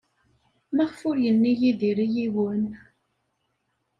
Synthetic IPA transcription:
mæʁfʊɾjənːijiðiɾijiwən

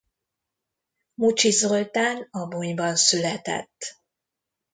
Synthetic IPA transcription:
mut͡ʃizolt̪aːnɒbuɲbɒnsylɛt̪ɛ̰t̪ː

